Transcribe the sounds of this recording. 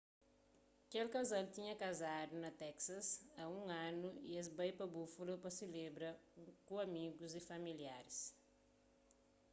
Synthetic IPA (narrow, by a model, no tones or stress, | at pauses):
kelkazalt̪ĩɲɐkazad̪unɐt̪ɛksɐsaũɐ̃nuḭɛzbɐjpɐbufulɐpɐsɪlebɾɐkõɐmiɡʊzifɐmilja̰ɾis